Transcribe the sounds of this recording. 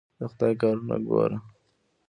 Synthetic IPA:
d̪əxʊt̪ɑjkɑɾuna̰ɡo̰ɾa

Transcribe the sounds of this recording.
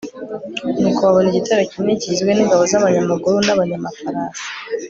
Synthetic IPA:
nukoβaβoniɟitaɾecineɟizwe̞niŋɡaβozaβaɲamaɡuɾunaβaɲamafaɾaːnsi̥

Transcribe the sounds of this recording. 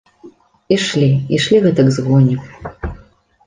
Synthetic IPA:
iʂlʲiiʂlʲiɣɛt̪ɐkzɣɔjnʲik

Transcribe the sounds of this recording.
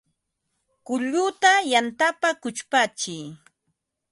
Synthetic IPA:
kʊʎʊt̪ajant̪apakʊt͡ʃpat͡ʃɪj

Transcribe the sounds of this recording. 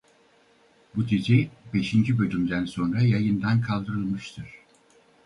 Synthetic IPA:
bud̪ʰid͡ʒibe̞ʃind͡ʒibø̞lʲymd̪ænso̞nɾajajɯnd̪ankʰalˠd̪ɯɾɯlˠmɯʃt̪ʰɯɾ̝̥

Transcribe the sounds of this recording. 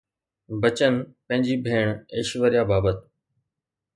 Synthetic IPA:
bət͡ɕənpɐ̃ɦɪ̃ɲd͡ʑiːbʱeːɽ̃eːʃʋəɾijaːbaːbət̪

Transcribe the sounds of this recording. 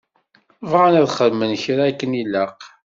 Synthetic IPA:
vʁanæðχəðmənçɾaækːəniləq

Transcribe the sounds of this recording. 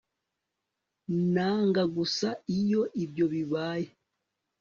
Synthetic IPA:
naːŋɡaɡusaijo̞ʔibɟo̞βiβaːje

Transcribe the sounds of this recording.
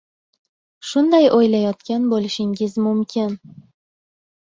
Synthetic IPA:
ʃʊnd̪ajʔojlajɒt̪kʲanbolɪʃɪŋɡɪzmʊmkʲʰɪn

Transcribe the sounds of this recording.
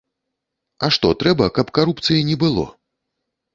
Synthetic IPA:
ɐʂt̪ɔt̪ɾɛbɐkɐpkaɾupt̪sɨjɐnʲɛbɨlˠɔ̰

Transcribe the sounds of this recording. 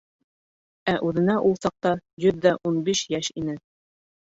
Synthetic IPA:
æʔʉðɘ̆næʔulˠsɑq̚t̪ɑjɵðːæʔunbiʃjæʃinɘ

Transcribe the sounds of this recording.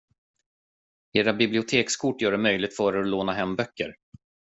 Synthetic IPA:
eːɾabɪblɪʊt̪ʰeːkskʰʊʈːjœːɖɛmœjlɪɡ̚t̪fœːɾɛɔloːnaɦɛmːbœkːə̰ɾ

